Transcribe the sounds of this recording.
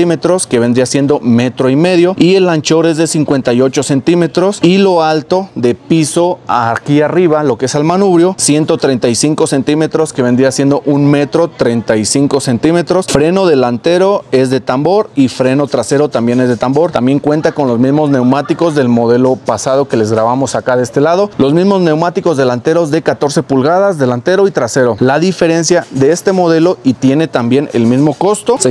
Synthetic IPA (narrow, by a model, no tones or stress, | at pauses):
ime̞t̪ɾo̞ske̞βe̞nd̪ɾiasje̞nd̪o̞me̞t̪ɾo̞ime̞ðjo̞ie̞lant͡ʃo̞ɾe̞zðe̞siŋkwe̞nt̪ajo̞t͡ʃo̞se̞nt̪ime̞t̪ɾo̞silo̞alt̪o̞ðe̞piso̞akiariβalo̞keesalmanuβɾjo̞sje̞nt̪o̞t̪ɾe̞jnt̪ajsiŋko̞se̞nt̪ime̞t̪ɾo̞ske̞βe̞nd̪ɾiasjend̪o̞ʔunme̞t̪ɾo̞t̪ɾe̞jnt̪ajsiŋko̞se̞nt̪ime̞t̪ɾo̞sfɾe̞no̞ðe̞lant̪e̞ɾo̞e̞zðe̞t̪ambo̞ɾifɾe̞no̞t̪ɾase̞ɾo̞t̪ambje̞ne̞zðe̞t̪ambo̞ɾt̪ambje̞ŋkwe̞nt̪ako̞nlo̞zmizmozne̞wmat̪iko̞zðe̞lmo̞ð̞e̞lo̞pasað̞o̞ke̞le̞zɣɾaβamo̞sakaðest̪e̞lað̞o̞lo̞zmizmo̞zne̞wmat̪iko̞zðe̞lant̪e̞ɾo̞zðe̞kat̪o̞ɾse̞pulɣaðazðe̞lant̪e̞ɾo̞it̪ɾase̞ɾo̞laðife̞ɾe̞nsjaðe̞est̪e̞mo̞ð̞e̞lo̞it̪je̞ne̞t̪ambje̞ne̞̰lmizmo̞ko̞st̪o̞se